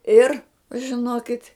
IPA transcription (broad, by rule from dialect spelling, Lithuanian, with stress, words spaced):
ˈɪr ʒʲɪˈnoːkʲɪtʲ